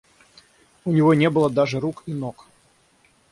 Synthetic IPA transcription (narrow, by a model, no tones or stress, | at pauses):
ʊnʲɪvonʲebɨlˠəd̪aʐɨɾukinok